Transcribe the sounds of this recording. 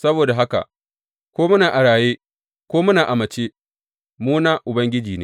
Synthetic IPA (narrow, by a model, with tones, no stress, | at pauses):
sɐ˦boː˨da˨ɦa˦ka̰˨ | kʷoː˦mʊ˦naː˨ʔa˨ɽaː˨jeː˦ | kʷoː˦mʊ˦naː˨ʔa˨mɐ˨t͡ʃeː˦ | muː˦naː˦ʔʊ˨bɐ˦ŋɡʲɪ˦d͡ʒiː˨nḛː˦